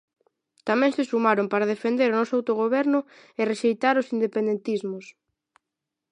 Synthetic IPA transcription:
t̪amɛ̃ŋsɪsumaɾompaɾað̞efend̪eɾonɔsawt̪oɣ̞oβ̞ɛɾnʊ | ɪreʃejt̪aɾosind̪epend̪ent̪izmʊs

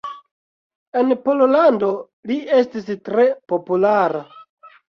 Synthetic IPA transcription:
e̞npo̞lolando̞ | lie̞stistɾe̞po̞pulaɾa

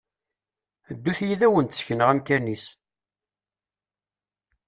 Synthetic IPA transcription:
d̪ːuθjiðæwənt̪əsçənəʁæmkænis

